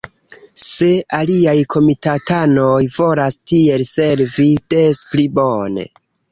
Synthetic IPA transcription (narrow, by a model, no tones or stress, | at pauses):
se̞aliajkʰo̞mitatanojvo̞lastie̞lse̞ɾvid̥esplibone̞̰